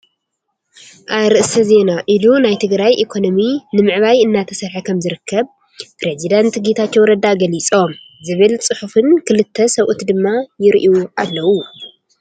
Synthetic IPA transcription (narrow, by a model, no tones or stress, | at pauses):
ʔaβɾɨʔsɐze̞naʔilunajt̪ʰɨɡɾajʔikʰo̞no̞minɨmɨʕβajɨnːat̪ʰɐsɐɾħakʰɐmzɨɾɨkʰːɐβ | pɾezid̪ant̪ɡet̪ʰat͡ʃːo̞wɾɐd̪aɡɐlit͡sʼo̞m | zɨβɨlt͡sʼɨħufɨnkʰɨlɨt̪ʰːɐsɐwʔut̪d̪ɨmːajɪɾʔuʔalːɐwu